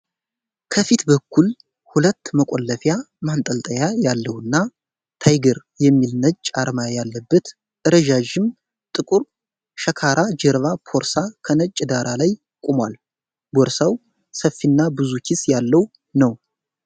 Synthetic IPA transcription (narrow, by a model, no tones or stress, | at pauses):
kʰəfit̪bəkːul | hulət̪ːməkʼɔlːəfja | mant̪ʼəlt̪ʼəjajalːəwɨnːa | t̪ʰajɡəɾ | jɛmːilnət͡ʃt͡ʃʼːaɾmajjalːəbːət̪ | ʔɨɾəʒaʒɪm | t̪ʼɨkʼuɾ | ʃəkʰaɾʔad͡ʒɛɾβapʰo̞ɾsakʰənət͡ʃʼːd̪aɾalaj | kʼumwal | bɔɾsaw | səfːinːabɨzukʰisjalːəw | nəw